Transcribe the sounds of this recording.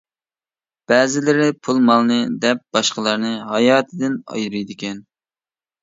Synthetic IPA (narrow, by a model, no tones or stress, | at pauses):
b̥æːzɪlɪɾɪpʰulˠmɑlˠnɨd̪ɛp̚b̥ɑʃqəlˠɑɾnɨɦɑjɑːt̪ʰɪd̪ɪnɑ̰jɾujd̪ɪkʲʰɛn